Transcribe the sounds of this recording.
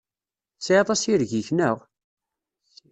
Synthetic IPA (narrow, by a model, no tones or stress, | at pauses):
sʕɑt̪ˤɑsiɾʝiçnəʁ